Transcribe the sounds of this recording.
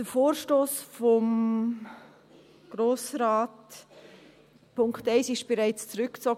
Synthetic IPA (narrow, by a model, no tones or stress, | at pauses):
d̥əfoːɾʃtoːsfɔm | ɡ̥ɾoːsɾaːt | pʰʊŋktaɪsɪʃb̥ɛɾaɪt͡st͡suɾʏkt͡sɔɡ